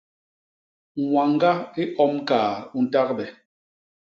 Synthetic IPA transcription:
ŋwa˨ŋ˦ɡa˦i˦ʔɔ˦mkaː˨u˨n̩˨ta˦k̚bɛ˨

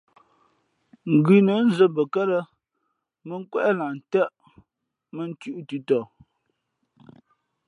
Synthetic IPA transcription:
ŋ̩˨ɡʉ˨nə˨˦n˦zə˨bə˨kə˦lə˦ | mə˦ŋ˦kwɛ˦ʔla˨n̩˨tə˦ʔ | mə˦n˦tʉ˦ʔtʉ˨tɔ˨

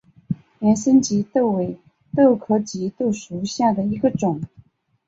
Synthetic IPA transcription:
ljɛ˧˥nsə˥nt͡ɕi˧˥t̪o˥˩ʊwe˧˥ɪ | t̪ɤ˥˩ʊkʰɤ˧˥t͡ɕi˧˥t̪o˥˩ʂu˧˥ɕja˥˩d̪ə˩i˧˥ɡə˧ʈ͡ʂʊ˨˩˦ŋ

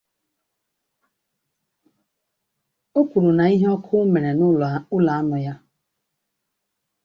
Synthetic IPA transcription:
o˦pu˨ɾu˨na˨i˦ɦe˦ɔ˦kʰʊ˦me˨ɾe˨nʊ˦ʊ˦la˨a˦nʊ˨ja˦

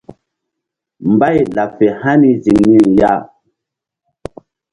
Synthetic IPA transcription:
m˨ba˦jla˨fe˨ha˦ni˦zi˨ŋni˦nja˦˨

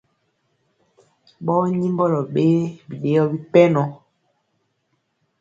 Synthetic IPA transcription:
ɓɔ˦ɲi˦mbɔ˦lɔ˨ɓe˦bi˨ɗe˦jɔ˦bi˦pɛ˦nɔ˨

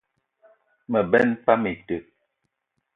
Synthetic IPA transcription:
mə˨bɛ˦npa˦me˨tə˨

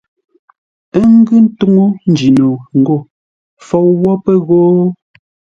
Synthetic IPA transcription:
e˦ŋ˦ɡɯ˦n̩˦to˦ŋo˦n̩˨d͡ʒi˨no˨ŋ̩˨ɡo˦˨ | fɔ˨wwɔ˦pɛ˦ɣoː˦

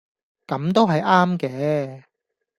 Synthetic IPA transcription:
kɐ˨˥mt̪o˥wɦɐ˨jʔaː˥mkɛː˧

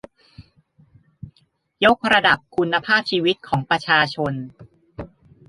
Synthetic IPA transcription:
jo˦˥k̚ɾa˧da˨˩p̚kʰu˧nːa˧pʰaː˥˩p̚t͡ɕʰiː˧wi˦˥t̪̚kʰɔː˩˦ŋpɾa˧t͡ɕʰaː˧t͡ɕʰo˧n

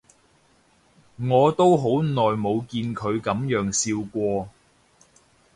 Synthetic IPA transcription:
ŋɔː˨˧t̪o˥wɦo˨˥wnɔː˨˩jmo˨˧wkiː˧nkʰɵ˨˧ɥkɐ˨˥mjœː˨˥ŋsiː˧wkʷɔː˧

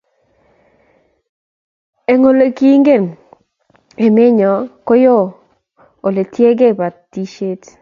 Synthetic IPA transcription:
e˨ŋo˦lo˨ki˦ŋɡe˦˨n | e˨me˦ɲɔ˨ko˦jo˦˨ | o˨le˨tje˦ɡe˦˨pa˨tː | i˦ʃe˦t

